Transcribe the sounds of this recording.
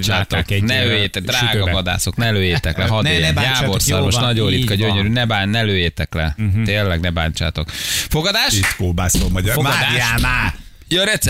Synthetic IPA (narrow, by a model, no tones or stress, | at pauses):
t͡ʃaːt̪oknɛøːjeːt̪ɛɡd̪raːɡɒvɒd̪a̰ːso̞knɛløːjeːt̪ɛklɛɦɒdneɛjaːborsɒɾrmoʃnɒɟoːɾit̪kɒɟøɲøɾynɛbaːnɛløːjeːt̪ɛklɛeːlːɛɡnɛbaːɲt͡ʃa̰ːt̪o̞kfoɡɒd̪aːʃit̪koːbaːsomɒɟɔaianaː | joːɾɛt̪sɛ